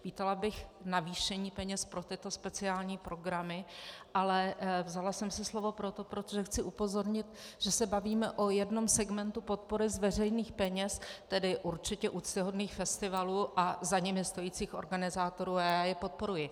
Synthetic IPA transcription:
viːt̪ɛlabɪxnaviːʃɛɲiːpɛɲɛspɾo̞t̪ɪt̪o̞spɛt͡sɪaːlɲiːpɾo̞ɡɾamɪʔalɛvzalasɛmsɛslo̞vo̞pɾo̞t̪o̞pɾo̞t̪oʒɛxt͡sɪʔupo̞zo̞ɾɲɪt̪ʒ̥ɛsɛbaviːmɛʔo̞jɛdno̞msɛɡmɛnt̪upo̞t̪̚po̞ɾɪzvɛr̝ɛjniːxpɛɲɛst̪ɛdɪʔuɾt͡ʃɪcɛʔut͡st̪ɪɦo̞dniːxfɛst̪ɪvaluːʔazaɲɛmɪst̪o̞jiːt͡siːxʔo̞ɾɡanɪzaːt̪o̞ɾuːajaːjɛpo̞t̪̚po̞ɾujɪ

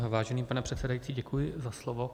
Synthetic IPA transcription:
vaːʒɛniːpanɛpr̥ɛt̪sɛdajiːt͡siːɟɛkujɪzaslovo

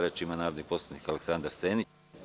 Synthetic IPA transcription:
ɾat͡ʃimanaːɾo̞d̪nipo̞slanikaleksand̪aɾseːni

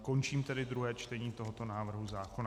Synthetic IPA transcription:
ko̞nt͡ʃiːmt̪ɛdɪd̪ɾuɦɛːt͡ʃt̪ɛɲiːt̪o̞ɦot̪o̞naːvr̩ɦuzaːko̞na

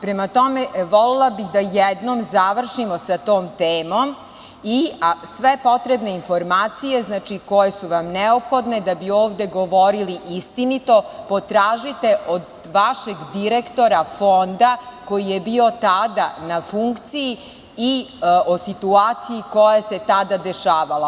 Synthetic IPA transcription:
pɾemat̪o̞meʋolelˠabixd̪ajɛd̪nomzaʋr̩ʃimosat̪o̞ːmt̪eːmom | isʋepo̞t̪ɾebne̞info̞ɾmaːt̪sije̞znaːt͡ʃikojesuʋamnɛopxo̞d̪ne̞d̪abioːʋd̪e̞ɡoʋoɾiliʔist̪init̪o̞po̞t̪ɾaːʒit̪e̞ʔod̪ | ʋaʃe̞ɡd̪iɾekt̪o̞ɾafo̞nd̪ako̞jijebio̞t̪ad̪anafuŋkt̪siji | iosit̪uaːt̪sijikojase̞t̪ad̪ad̪e̞ʃaːʋala

